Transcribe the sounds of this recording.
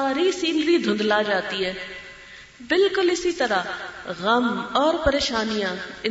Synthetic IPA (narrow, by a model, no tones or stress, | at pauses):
aːɾisiːnɾid̪ʱʊ̃nd̪lad͡ʒaːt̪iɦɛː | bɪlkʊlɪsit̪ɐɾaɣɐmɔːɾpɐɾeːʃaːnijãɪ̃